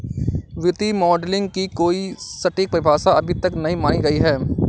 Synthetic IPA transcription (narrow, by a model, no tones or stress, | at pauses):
ʋɪt̪imɔːɖlɪ̃ŋɡkikoːisɐʈik̚pɾɪbʱaːsaɐbʱit̪ɐknɐɦĩmaːɽ̃iɡɐiɦɛː